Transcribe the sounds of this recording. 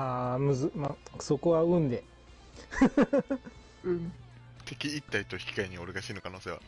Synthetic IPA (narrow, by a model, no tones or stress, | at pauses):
aːmɯ̟zɨmaso̞ko̞βaɯ̟̃nd̪e̞ | ɯ̟̃ | t̪ʰe̞kʲiit̪ːait̪oçi̥kʲi̥kaiɲ̟io̞ɾeɡaɕiːno̞kano̞ːse̞ːβa̰